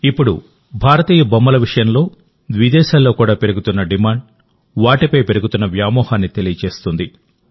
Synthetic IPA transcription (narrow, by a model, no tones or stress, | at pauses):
ipːuɽu | bʱaːɾɐt̪iːjɐbɐmːɐlɐʋiʂɐjɐmlo̞ː | d̪ʋid̪ɛːʃaːlːo̞ːkuːɽaːpeɾuɡut̪unːɐɖimaːɳɖ̚ | ʋaːʈipɐjpe̞ɾuɡut̪unːɐʋjaːmɔːhaːnːit̪e̞lijɐt͡ʃe̞ːst̪und̪i